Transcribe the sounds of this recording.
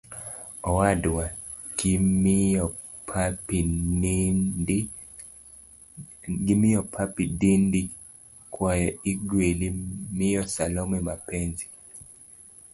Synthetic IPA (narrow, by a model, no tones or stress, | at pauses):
ɔwadwa | kimɔ | pʰap | ɡimɪjɔpʰapidindi | kwajɔiɡwelimɪjɔsalɔmɛmapɛnzi